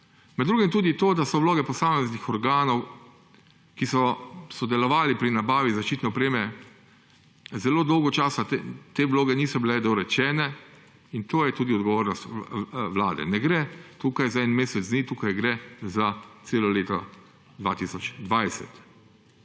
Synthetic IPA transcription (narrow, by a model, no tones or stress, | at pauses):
mɛd̪ɾuːɡɛmt̪uːd̪it̪oːd̪asɔwloːɡɛpɔsaːmɛznixɔɾɡaːnɔw | kisɔsɔd̪ɛlɔʋaːlipɾinabaːʋizaʃt͡ʃiːt̪nɛɔpɾeːmɛ | zɛloːd̪ɔwɡɔt͡ʃaːsat̪eːʋloːɡɛniːsɔbilɛd̪ɔɾɛt͡ʃɛːnɛ | int̪oːjɛt̪uːd̪iɔd̪ɡɔʋoːɾnɔst̪ʋlaːd̪ɛ̰nɛɡɾɛt̪uːkajzaɛnmeːsɛzniːt̪uːkajɡɾɛzat̪seːlɔleːt̪ɔ̰ | d̪ʋaːt̪iːsɔt͡ʃd̪ʋajsɛ̰t̪